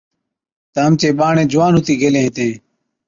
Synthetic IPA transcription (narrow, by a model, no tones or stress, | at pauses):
t̪əɦəmt͡ʃeːɓaːɳẽːd͡ʒʊʋaːnɦʊt̪iːɡʱeːlẽːɦɪt̪ẽː